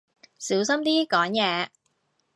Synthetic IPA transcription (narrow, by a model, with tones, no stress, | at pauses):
siː˨˥wsɐ˥mt̪iː˥kɔː˨˥ŋjɛː˨˧